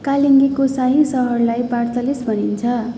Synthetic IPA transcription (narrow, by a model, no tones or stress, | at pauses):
kaliŋɡikosaɦĩsʌɦʌrlajpart̪ʌlisbʱʌnint͡sʰʌ